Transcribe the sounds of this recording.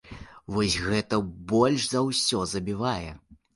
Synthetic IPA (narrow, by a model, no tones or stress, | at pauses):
vɔsʲɣɛt̪ɐbɔlʲʂzɐwsʲɔzɐbʲivajɛ